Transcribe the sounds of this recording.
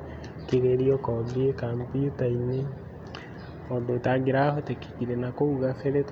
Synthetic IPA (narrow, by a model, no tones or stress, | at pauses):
keɣeɾiɔkɔðiekampiutaine | ɔndotaɡeɾahɔteke̥kiɾenakouɣafeɾet